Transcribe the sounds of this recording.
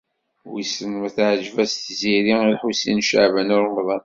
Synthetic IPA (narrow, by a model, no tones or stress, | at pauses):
wisənmæθʕʒvæst̪ziɾiilħusḭnʃə̰ʕvənʊɾnðˤɑn